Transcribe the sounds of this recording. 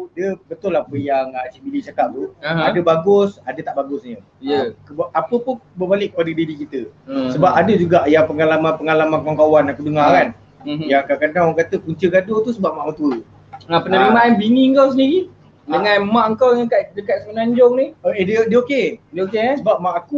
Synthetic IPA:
diəbət̪ʊlahapəjaŋat͡ʃiʔ̪̚bilit͡ʃakaʔ̚t̪uadəbaɡʊsadət̪aʔbaɡʊsɲə | jəkəbʔapəpʊnbəbalɪʔkːə̥padədiɾikit̪əsəbapadəd͡ʒuɡaʔjaŋpəŋalamanpəŋalamãnpəkwaŋkawanakudəŋakan | jaŋkakanaŋwakat̪əkuɲt͡ʃəɡadot̪usəbap̚maʔmat̪uə | apənaɾimaʔanbiŋiəŋkaws̬əndiɾi | dəŋanmãʔəŋkawɲakaʔdəkat̪̚səmənaɲd͡ʒɔŋnioedədəokekesəbap̚maʔaku

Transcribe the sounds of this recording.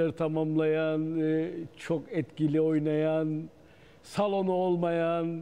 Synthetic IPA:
aɾit̪ʰamamlˠajant͡ʃʰokɛt̪cilʲio̞jnajan | salˠo̞nuolˠmajan

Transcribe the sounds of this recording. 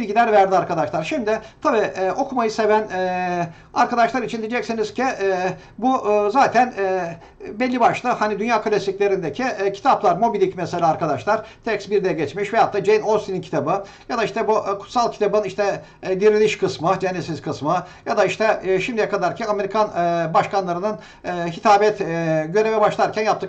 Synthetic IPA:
bilʲɟilʲæɾvæɾd̪iaɾkad̪aʃlˠaɾʃimd̪ɪt̪ʰabiːʔɛːo̞kʰumajɯse̞vænɛ | aɾkad̪aʃlˠaɾit͡ʃʰind̪id͡ʒɛcsiniz̥cʲiɛ | buzaːt̪ʰænɛː | bɛlʲːibaʃlˠɯhanid̪ynjaːkʰalʲasikcʲlʲe̞ɾind̪ecʰicʰi̥t̪ʰaplˠaɾmo̞bilʲicmɛselʲaːɾkʰad̪aʃlˠaɾ̥t̪ʰɛksbiɾd̪ɛjɛɟɛt͡ʃmiʃvɛjap̚t̪ːɯd͡ʒejnosʲinincʰi̥t̪ʰabɯ | jad̪aiʃt̪ɛbukʰu̥t̪salˠcʰit̪ʰabɯniʃt̪ɛ | d̪iɾiniʃkʰɯsmɯd͡ʒɛnːesiz̥kʰɯsmɯjad̪aiʃt̪ʰɛʃimd̪ijɛkʰad̪aɾcʰɛnameɾikʰanbaʃkanlˠaɾɯnɯnː | ɦit̪ʰaːbɛt̪ɟø̞ɾevɛbaʃlˠaɾcʰænjap̚t̪ɯ

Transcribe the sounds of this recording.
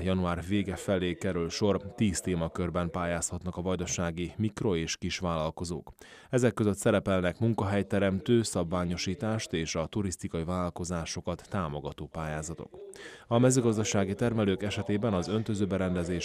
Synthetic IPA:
jɒnuaːrveːɡɛfɛleːkɛɾylʃo̞rt̪iːst̪eːmɒkørbɛmpaːjaːshɒt̪nɒkɒvɒjd̪oʃaːɡimikro̞eːʃkiʃʋaːlɒlko̞zo̰ːk | ɛzɛkːøzøt̪sɛɾɛpɛlnɛkmuŋkɒɦɛjt̪ɛɾɛmt̪øːsɒbvaːɲo̞ʃiːt̪aːʃt̪eːʃɒt̪uɾist̪ikɒivaːllko̞zaːʃo̞kɒt̪ːaːmo̞ɡɒt̪oːpaːjaːzɒt̪o̞̰kɒmɛzøːɡɒzd̪ɒʃaːɡit̪ɛrmɛløːkɛʃɛt̪eːbɛnɒzø̞nt̪ø̞zøːbɛɾɛnd̪ɛzeːʃ

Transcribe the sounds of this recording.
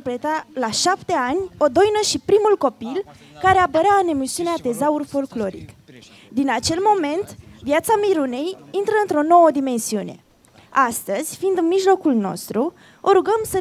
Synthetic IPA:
pɾet̪alaʃapt̪e̞anʲo̞d̪o̞jnəʃipɾimulko̞pil | kaɾe̞apəɾeaɨne̞misiuneat̪e̞zaurfo̞lklo̞ɾḭk | d̪inat͡ʃe̞lmo̞me̞nt̪vjat̪samiɾune̞jint̪ɾəɨnt̪ɾo̞no̞wəd̪ime̞nsiune̞̰ | ast̪əz̥ʲfind̪ɨnmiʒlo̞kulno̞̰st̪ɾu | o̞ɾuɡəmsə

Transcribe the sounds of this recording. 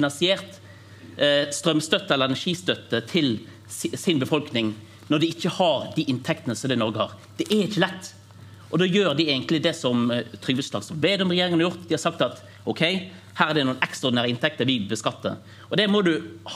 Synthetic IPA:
nɑnsɪeːʁt̪ | st̪ɾœmst̪œt̪ːəɛlːəʁɛnæʂiːst̪œt̪ːət̪ʰɪl | sɪnbəfɔlknɪŋ | nɔɾd̪ɪɪçːəhɑɾd̪iʔɪnt̪ʰɛkt̪ənəsɔmd̪æɪnɔɾɡəhɑ̰ːʁ | d̪̥ɛʔæɪçːəlɛt̪ː | ʔɔd̪oːjøːʁd̪ɪeːɡŋk̪lɪd̪ɛsɔmt̪ʰɾʏɡʋəslɑːɡsɔmʋeːd̪ɔmʁɛjeːɾɪŋənɑɾjʊʁt̪d̪ɪhɑsɑk̚t̪ɑt̪ | ɔkʰɛɪ | hæːɾæʁd̪ɛnuːənɛkst̪ʁɑɔɾdɪnæːɾəɪnt̪ʰɛk̚t̪əɾʋɪbəskɑt̪ːə̰ | ɔd̪ɛmɔd̪ʉh

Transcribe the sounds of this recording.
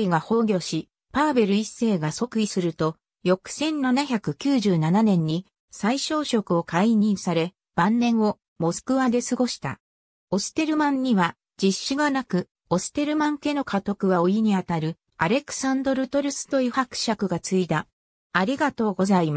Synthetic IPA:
iɡaho̞ːɡʲo̞ɕi | pabe̞ɾɯ̟isːe̞ːɡaso̞kɯ̟isɨɾɯ̟t̪o̞ | jo̞kɯ̟̥sẽ̞nnanaçʲakɯ̟kʲɨːʑɨːnananẽ̞ɲ̟ːi | saiɕo̞ːɕo̞kɯ̟o̞kaiɲ̟ĩɰ̃saɾe̞ | b̥ãnːẽ̞ɰ̃o̞ | mo̞sɨ̥kɯ̟βad̪e̞sɨɡo̞ɕi̥t̪a̰ | o̞sɨ̥t̪e̞ɾɯ̟mãɲ̟ːiβa | d͡ʑiɕːɨɡanakɯ̟ | o̞sɨ̥t̪e̞ɾɯ̟mãŋke̞no̞kʰat̪o̞kɯ̟ɡaoiɲ̟iat̪aɾɯ̟ | aɾe̞kɯ̟̥sãnd̪o̞ɾɯ̟t̪o̞ɾɯ̟sɨ̥t̪o̞jɯ̟ːhakɯ̟̥ɕakɯ̟ɡat͡sɨid̪a | aɾʲiɡat̪o̞ːɡo̞zaima

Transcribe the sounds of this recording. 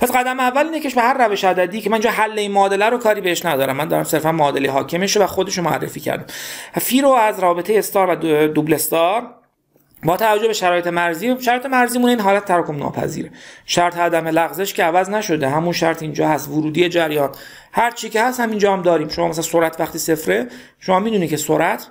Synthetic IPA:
pʰæsɢæd̪æmeævːæliːnecʰeʃbehæɾːæveʃæd̪æd̪iːcʰemæninːd͡ʒɒːɦælːeiːnmɒːd̪elæɾokʰɒːɾiːbeeʃnæd̪ɒːɾæmːænd̪ɒːɾæ̰mse̞ɾfænmɒːd̪eleɦɒːcʰemeʃevæxod̪e̞ʃomoæ̰rːḛfiːcʰæ̰ɾd̪æmfiːɾoæzɾɒːbe̞t̪ʰe̞jeːst̪ɒːɾvæd̪uble̞st̪ɒːɾ | bɒːt̪ʰævæd͡ʒːobe̞ʃæɾɒːjee̞mæɾziːʃæɾɒːjet̪emæɾziːmuːneiːnɦɒːlæt̪̚t̪ʰːæɾɒːkʰobnɒ̰ːpʰæ̰zḭːɾeʃæɾt̪ʰeæd̪æmelæɣzeʃcʰeævæznæʃo̞d̪eɦæmunʃæɾt̪ʰind͡ʒɒːhæst̪voɾuːd̪iːe̞d͡ʒæɾjɒːn | hæɾt͡ʃʰiːcehæst̪hæmind͡ʒɒːhæmd̪ɒːɾiːmʃomɒːmæslænsoɾæt̪ʰvæxt̪iːse̞fɾe | ʃomɒːmiːd̪uniːcʰe̞soɾʔæt̪ʰ

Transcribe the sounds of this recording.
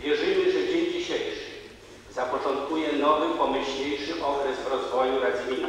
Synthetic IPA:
vʲjɛʐɘmɘʐɛd͡ʑeɲd͡ʑiɕejʂɘ̥ | zapɔt͡ʂɔnt̪̚kujɛnɔvɘpɔmɘɕlejʂɘʔɔkɾɛzvɾɔzvɔjuɾad̪ʲin

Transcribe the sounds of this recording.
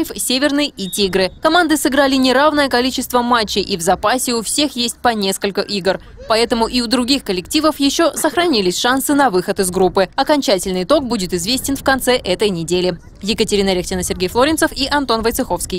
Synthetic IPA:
fsʲevʲɪrnɨjitʲiɡɾɨkɐmand̪ɨsɨɡɾalʲɪnʲɪɾavnəjəkɐlʲit͡ɕɪst̪vəmat͡ɕːɪjʔivzɐpasʲɪʊfsʲe̞xjesʲt̚ʲpɐnʲe̞skəlʲkəʔiɡr | pɐɛt̪əmʊʔiʊd̪ɾʊɡʲixkəlʲɪktʲivəfjɪɕːo̞səxɾɐnʲilʲɪsʲʂan̪sɨnɐvɨxət̪ɪzɡɾupːɨɐkɐnʲt͡ɕætʲɪlʲnɨjt̪o̞k̚budʲɪt̪ɪzvʲesʲtʲɪnfkɐnt̪sɛʔɛt̪əjnʲɪdʲelʲɪ | jɪkətʲɪɾʲinəɾʲextʲɪnəsʲɪrɡʲejflˠoɾʲɪnt̪səfiʔɐnt̪o̞nvəjt̪sɨxo̞fskʲɪj

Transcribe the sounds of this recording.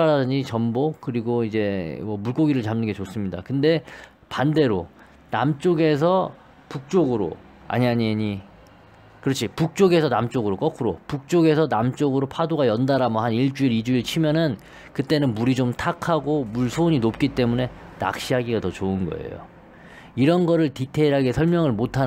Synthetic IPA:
aɾadɯɲit͡ɕʌmbokɯɾiɡoid͡ʑe̞mʌmuɭk͈oɡiɾɯɭt͡ɕamnɯnŋɡe̞t͡ɕos͈ɯmɲida̰kɯnde̞ | pande̞ɾo | namt͡ɕ͈oɡe̞s̬ʰʌ | puk̚t͡ɕ͈oɡɯɾo̰ | a̰ɲiɦaɲiɲi | kɯɾʌt͡ɕʰipuk̚t͡ɕ͈oɡe̞sʰʌnamt͡ɕ͈oɡɯɾok͈ʌkʰɯɾopuk̚t͡ɕ͈oɡe̞sʰʌnamt͡ɕ͈oɡɯɾopʰadoɡajʌndaɾɦamʌɦaniɭt͡ɕ͈uiɾid͡ʑuiɭt͡ɕʰimjʌnɯn | kɯt͈e̞nɯnmuɾid͡ʑomtʰakʰaɡomuɭsʰoɲinop̚k͈it͈e̞mune̞na̰k̚ɕ͈iɦaɡiɡatʌt͡ɕoɯnɡʌ̰e̞̰jo̰ | iɾʌnɡʌɾɯɭtitʰe̞ɾɦaɡe̞sʰʌɭmjʌŋɯɭmotʰa

